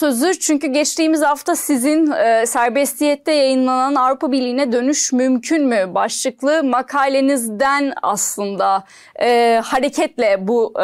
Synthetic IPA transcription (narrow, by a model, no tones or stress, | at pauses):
ø̞zyɾt͡ʃʰyɲcyɟɛt͡ʃt̪iːmizhaft̪ʰasizinsæɾbɛst̪ʰijɛt̪ːɛjajɯnlˠananavɾupʰabiɾlʲijːnɛd̪ø̞nyʃmymcʰynmybaʃlˠɯklˠɯmakʰaːlʲe̞nizd̪æna̰slˠɯnd̪aː | haɾecʰɛt̪lʲɛbu